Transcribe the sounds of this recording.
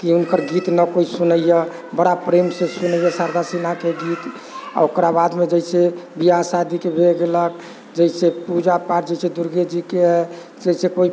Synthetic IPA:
kiunkəɾɡit̪nəkoisunəjə | bəɽapɾemsẽsunəjəsaɾd̪ʱasinakeɡit̪ | a̰okɾabad̪med͡ʒəɪsebiasad̪ikebʱeɡelək̚ | d͡ʒəsepud͡ʒapaɾd͡ʒəsed̪uɾɡed͡ʒike | d͡ʒɛisekoi

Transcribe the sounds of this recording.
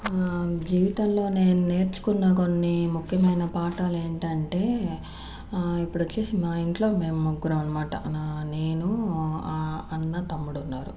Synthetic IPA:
d͡ʒiːʋit̪ɐmlo̞ːneːnune̞ːɾt͡ʃu̥kunːaːko̞nːimukʰjɐmɐjnɐpaːʈaːle̞ːɳʈɐɳʈe̞ː | ipːuɽut͡ʃeːsinaːiɳʈlo̞ːme̞ːmɐɡːuɾɐmɐnːɐmaːʈɐ̰ne̞ːnu | ɐnːɐt̪ɐmːuɽunːaːɾṵ

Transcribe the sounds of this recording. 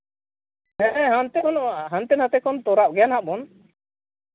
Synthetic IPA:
ɛɦant̪ɛkɔnɔʔɦant̪ɛnat̪ɛkɔnt̪ɔɾaʔ̚ɡɛjanɦaʔmɔn

